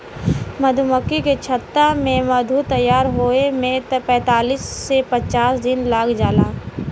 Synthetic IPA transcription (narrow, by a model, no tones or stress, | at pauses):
mɐd̪ʱʊməkːiket͡ʃʰət̪ːamẽmɐd̪ʱut̪əjːaːɾɦoːemẽpɛ̃ːt̪aːliːsːepət͡ʃaːsd̪ɪnlaːkʰd͡ʒaːlaː